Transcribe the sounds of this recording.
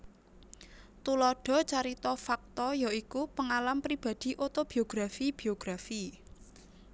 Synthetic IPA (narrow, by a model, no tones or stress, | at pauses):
t̪ulɔɖ̥ɔ̤t͡ʃaɾit̪ɔfak̚t̪ɔjɔikupəŋalampɾib̥a̤d̪̥i̤ʔot̪ob̥i̤oɡ̥ɾafib̥i̤oɡ̥ɾafi